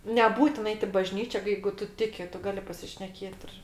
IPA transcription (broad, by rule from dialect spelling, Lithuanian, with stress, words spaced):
nʲɛˈbuːtʲɪn ˈɐɪt ɪ bɐʒʲnʲiːt͡ʃʲɛ ˈjɛɪɡʊ ˈtʊ ˈtʲɪkʲɪ ˈtʊ ˈɡɑːlʲɪ pɐsʲɪʃʲnʲɛˈkʲeːt ɪr